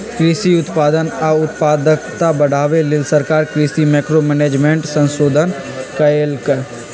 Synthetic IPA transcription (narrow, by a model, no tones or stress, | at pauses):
kɾiːsiʊt̪paːd̪ənəʊt̪paːd̪əkt̪abəɽ̤aːʋelɪlsəɾkaːɾkɾiːsimɛːkɾomɛːneːd͡ʒmẽːɳʈsə̃nsoːd̪ʱən | kəelkəɾ